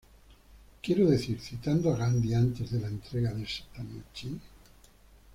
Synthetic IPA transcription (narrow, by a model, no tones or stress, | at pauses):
kjeɾoðe̞θiɾθit̪and̪oaɣand̪iant̪e̞zðelaent̪ɾeɣaðesḁt̪anot͡ʃi